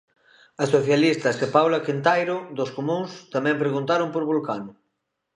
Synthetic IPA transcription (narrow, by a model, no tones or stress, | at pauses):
ɐsoθjalist̪ɐsepawlakint̪ajɾʊd̪oskomũŋst̪amɛ̃mpɾeɣunt̪aɾʊmpoɾβulkanʊ